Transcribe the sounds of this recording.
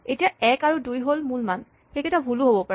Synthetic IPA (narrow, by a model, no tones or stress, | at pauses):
etijaɛkaɹudujɦolmulman | xeketabʱuluɦobɔpa